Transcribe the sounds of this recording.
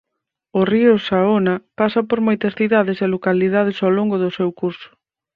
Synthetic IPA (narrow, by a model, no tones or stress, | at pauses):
ʊriʊsaonapasɐpoɾmojt̪ɐsθiðaðeselokalið̞að̞ɪsowloŋɡʊðʊsewkuɾsʊ̥